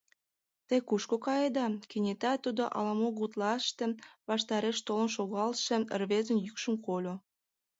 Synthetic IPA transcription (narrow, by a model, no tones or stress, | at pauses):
t̪əjkuʃkokɑjed̪ɑkenʲet̪ɑt̪ud̪oʔɑ̰lɑmoɣut̪lɑʃt̪ĕβɑʃt̪ɑɾeʃt̪olə̆nʃoɣɑlʃĕə̰rβezə̆njykʃə̆mkolʲo